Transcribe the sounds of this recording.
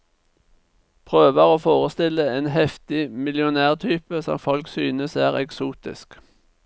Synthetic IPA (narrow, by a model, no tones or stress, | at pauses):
pʰʁøːʋəʁoːfoːʁəst̪ɪləeːnhɛft̪ɪmɪlɪʊnæːʁt̪ʰyːpəsɔ̰mfɔlksyːnəsæːʁɛksuːt̪ɪ̰sk